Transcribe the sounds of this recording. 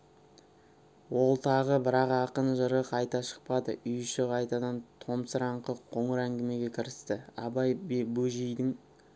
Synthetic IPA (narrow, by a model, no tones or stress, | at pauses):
wo̞lˠt̪ʰɑʁəbɪɾɑqɑqənʒəɾəqʰɑjt̪ɑʃə̥q̚pɑd̪ə̰ʔʏjʃɪqʰɑjt̪ɑd̪ɑnt̪ʰo̞msəɾɑɴqəqʰo̞ɴəɾæŋɡʲɪme̞ɡʲe̞kʲʰɪɾɪst̪ɪɑ̰bɑjbbɵʒijd̪ɪŋ